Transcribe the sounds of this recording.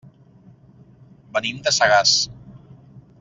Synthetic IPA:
bənimd̪əsaɣas

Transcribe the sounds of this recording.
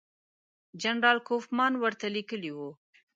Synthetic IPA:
d͡ʒanɾɑlkofmɑnwəɾt̪alikəliwu

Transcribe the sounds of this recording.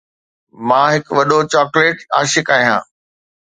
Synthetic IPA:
mãːɦɪkʋɐɗot͡ɕɔːkleːʈa̰ːʃɪkaːɦijãː

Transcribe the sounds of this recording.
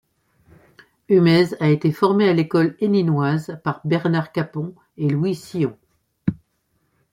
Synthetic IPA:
ymɛzaet̪efɔʁmealekɔleninwazpaʁbɛʁnaʁkapɔ̃ | elwisiɔ̃

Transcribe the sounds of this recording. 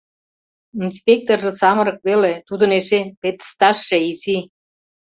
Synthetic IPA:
inspʲek̚t̪orʒĕsɑmɤ̆ɾɤ̆k̚βelet̪ud̪ə̆neʃepet̪ə̥st̪ɑʃːeizi

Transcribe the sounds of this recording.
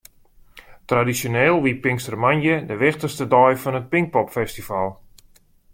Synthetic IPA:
tradisjoneːlˠʋipɪŋstərmanjədəʋɪxtəstədɔjfɔnət̚pɪŋk̚pɔpfɛstifalˠ

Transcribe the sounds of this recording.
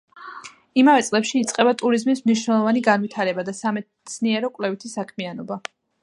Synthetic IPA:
imavɛt̪sʼlɛpʃiːt̪sʼqʼɛbat̪ʼuɾizmismniʃnɛlˠɔvaniɡanvit̪ʰaɾɛbad̪asamɛ | t̪sʰniɛɾɔkʼlɛvit̪ʰisakʰmianɔba

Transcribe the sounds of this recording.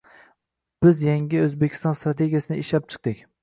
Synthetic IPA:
b̥ɪzjaŋʲɪɵzbekʲʰɪ̥st̪ɒnst̪ɾat̪ʰe̞ɡʲijasɪnɪɪʃlap̚t͡ʃʰɨ̥q̚d̪ɪkʲ

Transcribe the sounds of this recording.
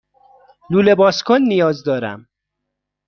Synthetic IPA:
luːlebɒːskʰonːijɒːzd̪ɒːɾæ̰m

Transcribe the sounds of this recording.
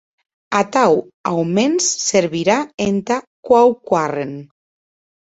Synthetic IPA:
at̪aw | awmensːeɾβiɾaent̪akwawkwaren

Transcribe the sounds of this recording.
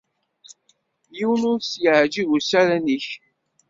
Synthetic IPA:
jiwənʊɾsjəʕd͡ʒivusæɾæniç

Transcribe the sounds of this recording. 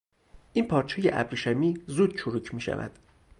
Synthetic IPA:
ʔinpʰɒːɾt͡ʃʰejḛʔæ̰bɾiʃæmiːzuːd̪̚t͡ʃʰoɾuːcʰmiːʃæ̰væ̰d̪̥

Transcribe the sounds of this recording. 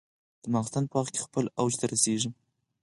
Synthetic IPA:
d̪̥əmɑɣst̪anpəɑχkʲe̥xpəlawd͡ʒt̪aɾaseʒi

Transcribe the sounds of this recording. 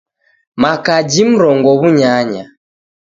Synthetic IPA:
makad͡ʒim̩ɾɔŋɡɔβuɲaɲa̰

